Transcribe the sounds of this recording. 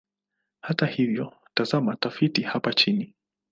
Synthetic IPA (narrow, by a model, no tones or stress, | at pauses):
hatahivjɔ | tazamatafitihapat͡ʃini